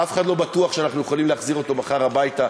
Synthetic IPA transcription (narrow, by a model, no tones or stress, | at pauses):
ʔafeχad̪lo̞batuaχʃeanaχnujeχalimleaχziʁo̞t̪o̞maχaʁhabajta